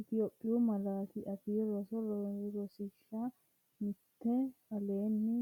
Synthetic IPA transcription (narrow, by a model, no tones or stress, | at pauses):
ʔɪt̪ɪjoːpʼːɪjʊmɐlaːkɪʔɐfiːɾɔsɔɾɔɾɔsɪʃːa | mɪt̪ːɛ | ɐleːnːɪ